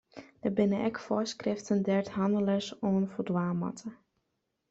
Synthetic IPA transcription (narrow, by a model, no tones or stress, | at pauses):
d̥əbɪnəʔɛkfɔskrɪftəndɛɹthɑndələsoːnfodwaːmɑ̰tʰə